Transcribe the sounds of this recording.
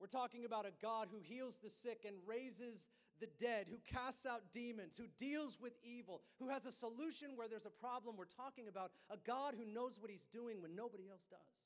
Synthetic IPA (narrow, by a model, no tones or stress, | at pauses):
wɨɹtʰɔkɪ̃ŋɨbaʊɾɨɡɑd̚ɦuɦilˠzðɨsɪkɨ̃nɹeɪzɪz | ðɨdɛd̚hukʰæstsaʊt̚d̥ĩmɨ̃nz̥hudilˠzwɪðivl̩ˠhuɨzəsəluʃɨ̃nwə˞ðə˞zəpʰɹ̥ɑblə̃mwɨɹtʰɔkɪ̃ŋɨbaʊɾ | əɡɑd̚ɦunoʊzwʌt̚hizduɪ̃ŋwɨ̃nːoʊbəɾiɛlˠsd̥ʌ̰z̥